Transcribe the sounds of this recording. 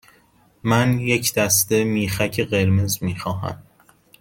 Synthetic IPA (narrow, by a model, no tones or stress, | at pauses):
mænje̞cʰd̪̥æst̪e̞miːxæcʰeɢe̞ɾmezmiːxɒːɦæ̰m